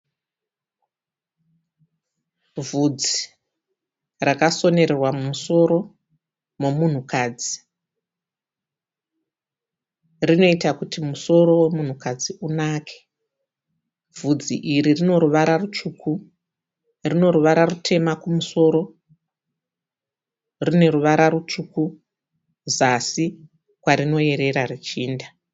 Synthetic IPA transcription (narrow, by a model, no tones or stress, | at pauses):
vud͡zi | rakaso̞ne̞ɾerwamumuso̞ɾo̞ | mo̞mun̤ukaːd͡zi | rino̞itakutimuso̞ɾo̞we̞mun̤ukad͡ziunaːkʰe̥ | vud͡zḭʔiɾirino̞ɾuʋaɾarut͡ʂuku | rino̞ɾuʋaɾarutʰe̞makumuso̞ɾo̞ | rine̞ɾuʋaɾarut͡ʂuku | zasi | kwaɾino̞je̞ɾe̞ɾarit͡ʃiːnda